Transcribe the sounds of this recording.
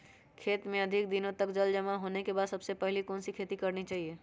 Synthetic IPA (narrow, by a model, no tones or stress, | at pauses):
kʰet̪mẽəd̪ʱikd̪inõt̪əkd͡ʒəld͡ʒəmaɦonekebad̪səbsepəɦilikonsikʰet̪ikəɾnit͡ʃaɦie